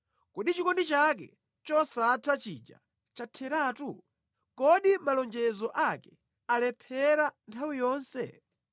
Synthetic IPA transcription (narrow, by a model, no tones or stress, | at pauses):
kuɗit͡ʃikɔndit͡ʃak̬ɛ̰ | t͡ʃɔsatʰat͡ʃḭd͡ʒa̰ | t͡ʃatʰɛɾaːtu | kɔɗimalɔnd͡ʒɛzɔʔakɛ | alɛpʰɛɾantʰawijɔːnsɛ̰